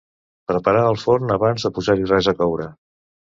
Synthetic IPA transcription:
pɾəpəɾaəlˠfornəβanzðəpuzaɾirɛzəkɔwɾə

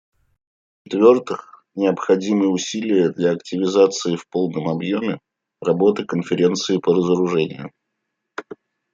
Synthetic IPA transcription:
t͡ɕɪt̪vʲo̞rt̪ɨx | nʲɪəpxɐdʲimɨjəʊsʲilʲɪjəd̪lʲaɐktʲɪvʲɪzat̪sɨɪfpo̞lˠnəmɐbjomʲɪ | rɐbo̞t̪ɨkənfʲɪɾʲe̞nt̪sɨɪpəɾəzəɾʊʐɛnʲɪ̰jʊ̰

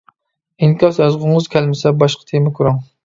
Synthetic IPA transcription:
inkʲʰɑsjɑzʁʊŋɨzkʲʰælmɪsɛbɑʃqʰɑ̥t̪ʰemɛkʰuɾɑŋ

